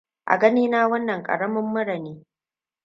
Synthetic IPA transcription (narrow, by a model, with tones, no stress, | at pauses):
ʔa̰˨ɡɐ˦niː˦naː˦wɐ˦nːɐ˨ŋkʼɐ̰˨ɽɐ˦mɐ˦mːʊ˦ɽɐ˨neː˦